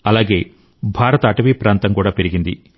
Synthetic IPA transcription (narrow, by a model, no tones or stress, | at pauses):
ɐlaːɡe̞ː | bʱaːɾɐt̪ɐːʈɐʋiːpɾaːnt̪ɐmkuːɽaːpe̞ɾiɡind̪i